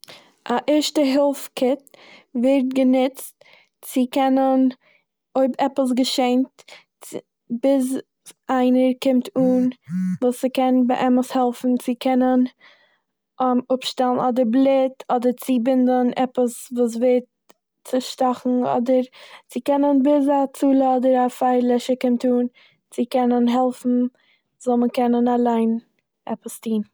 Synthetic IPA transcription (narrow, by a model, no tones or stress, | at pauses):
ʔaʔɪɾʃtəɦɪlˠfkʰɪtvɪɾt̚ɡənʊt͡st | t͡sɪkɛnən | oɪbɛpəs̬ɡəʃeɪnt | bɪz | ʔaɪnəɾkɪmtʰuːnvuːsɪkɛnbəʔɛməshɛlˠfn̩t͡sɪkʰɛnən | ʊpʃtɛlˠn̩ɔdəɾblˠɪtʰɔdəɾt͡sɪbɪndənʔɛpəsvuːs̬veːt | t͡sɪʃtɔχŋ̩ɔ̰dəɾt͡sɪkɛnənbɪzat͡suːlˠəɔdəɾafaɪɾlˠɪʃəkɪmtuːn | t͡sɪkɛnənɦɛlˠfn̩ | zɔlˠməkɛnənalˠaɪn | ɛ̰pəstiːn